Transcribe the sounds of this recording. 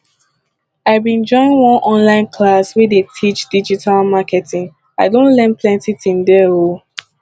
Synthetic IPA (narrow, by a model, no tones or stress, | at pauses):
aɪbĩnd͡ʒɔ̃ɪ̃nwɔ̃nʔɔ̃nlãɪ̃nkʰlaswedetʰit͡ʃd̥id͡ʒitʰalmakɛtĩŋ | aɪdõnlɛ̃nplɛ̃ntitĩndɛo